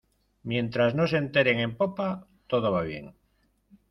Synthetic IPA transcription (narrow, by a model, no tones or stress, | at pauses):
mjẽ̞nt̪ɾaznosent̪eɾeŋe̞mpopa | t̪oð̞oβ̞aβ̞je̞̰ŋ